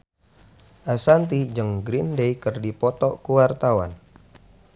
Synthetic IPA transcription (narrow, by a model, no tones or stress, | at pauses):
ʔasant̪id͡ʒəŋɡɾindejkərdipɔt̪ɔkuwart̪awa̰n